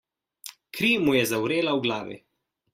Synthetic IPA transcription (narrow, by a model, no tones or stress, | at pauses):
kɾiːmujɛzawɾeːlawɡlaːʋḭ